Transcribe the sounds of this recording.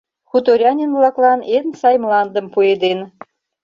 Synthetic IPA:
xut̪oɾʲɑnʲenvlɑklˠɑnensɑjmlɑnd̪ə̆mpued̪en

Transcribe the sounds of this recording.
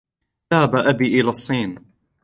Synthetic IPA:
ðahabaʔabiːʔɪlaːsˤːiːn

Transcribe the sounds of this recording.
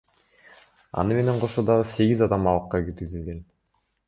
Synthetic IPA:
ɑ̰nɯme̞ne̞ɴqʰo̞ʃod̪ɑʁɯse̞ɡʲizɑd̪ɑmɑlˠɯqːɑɡiɾɡizilɡen

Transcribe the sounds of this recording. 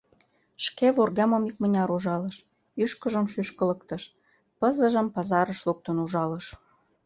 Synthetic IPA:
ʃkeβorɣɑmomik̚mənʲɑɾuʒɑləʃ | yʃkəʒəmʃyʃkələk̚t̪əʃ | pəzəʒəmpɑzɑɾəʃluk̚t̪ənuʒɑləʃ

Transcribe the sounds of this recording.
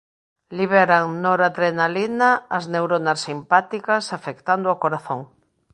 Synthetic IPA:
liβɛɾaŋnoɾat̪ɾenalinaːznewɾonasimpat̪ikɐsafekt̪and̪oakoɾaθoŋ

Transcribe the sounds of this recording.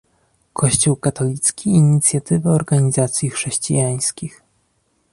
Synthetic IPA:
kʰɔɕt͡ɕuwkat̪ɔlʲit̪skʲiːɲit̪sʲjat̪ɘvɘɔɾɡaɲizat̪sʲjixʂɛɕt͡ɕḭjaj̃skʲix

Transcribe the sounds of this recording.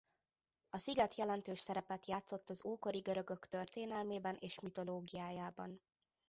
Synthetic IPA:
ɒsiɡɛt̪jɛlɛnt̪øːʃsɛɾɛpɛt̪jaːt̪so̞t̪ːɒzoːko̞ɾiɡøɾø̞ɡø̞kt̪ørt̪eːnɛlmeːbɛnʔeːʃmit̪o̞loːɡijaːjaːbɒ̰n

